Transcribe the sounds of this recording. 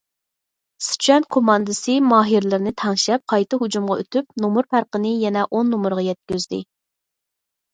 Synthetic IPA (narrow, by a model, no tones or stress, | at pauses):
sy̥t͡ʃʰɛnkʰomɑnd̪ɨsɨmɑːɦiɾlɪɾɪnɨt̪ʰɑŋʃɛp̚qʰɑjt̪ɨɦud͡ʒumʁɑø̰t̪ʰyp̚nomuɾpæɾqənɨjɛnɛʔonːomʊɾʁɑjɛt̪̚kʲøzd̪ɪ̰